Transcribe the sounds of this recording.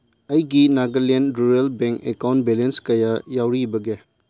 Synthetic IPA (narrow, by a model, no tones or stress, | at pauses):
ɐjɡinaɡɐlenɾuɾelbeŋkekawntbelenskɐjajawɾibɐɡe